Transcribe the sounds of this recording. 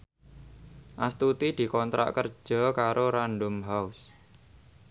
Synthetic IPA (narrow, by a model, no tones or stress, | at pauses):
ʔast̪ut̪id̪̥i̤kɔnt̪ɾa̰ʔkər̥ʒ̥ɔ̤kaɾoɾanɖʊmɦaus